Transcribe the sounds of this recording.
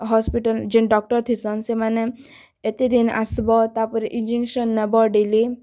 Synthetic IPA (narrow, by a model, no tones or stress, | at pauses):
ɦɔspiʈəld͡ʒinɖɔk̚ʈɔɾt̪ʰisɔnsemane | et̪id̪ina̰sbɔt̪apɔɾiʔind͡ʒiŋʃɔnːəbɔɖili